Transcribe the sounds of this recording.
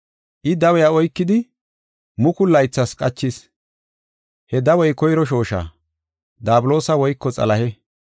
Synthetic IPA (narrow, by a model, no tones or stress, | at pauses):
ʔɪd̪ɐwɛjaɔjkːɪd̪ɪ | mʊkʊlːɐjt͡sːɐskʼɐt͡ʃːɪs | hɛd̪ɐwɔjkɔjɾɔʃ̬o̞ːʃa̰ː | d̪aːbʊlo̞ːsɐwɔjkːɔt͡sʼɐ̰lɐhɛ